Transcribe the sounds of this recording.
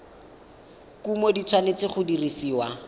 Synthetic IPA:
kumodit͡sʰwanet͡sɪχʊdirisiːwa

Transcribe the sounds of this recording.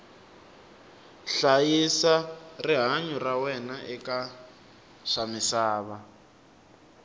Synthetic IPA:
ɬajisariɦaɲurawɛnaʔɛka | ʂamisaːβa

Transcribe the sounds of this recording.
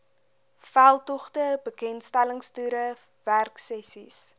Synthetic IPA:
fælˠtɔχtəbəkɛntstæləŋstyːɾə | værksɛsḭs

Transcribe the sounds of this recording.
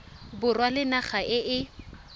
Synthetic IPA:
bʊrwalɪnaχaʔɪʔɪ

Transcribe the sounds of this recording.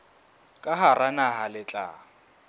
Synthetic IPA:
kʼaɦaranaɦalɪt͡ɬʼa̰

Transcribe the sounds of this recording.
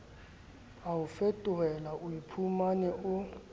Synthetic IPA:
aʊfɛtʼʊɛlaʔʊipʰumanɛʔʊ

